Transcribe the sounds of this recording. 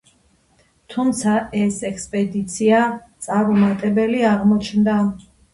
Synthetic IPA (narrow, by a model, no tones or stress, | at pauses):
t̪ʰumt̪sʰaʔɛsɛkspʼɛd̪it̪sʰiat̪sʼaɾɔmat̪ʼɛbɛliaʁmɔt͡ʃʰnd̪a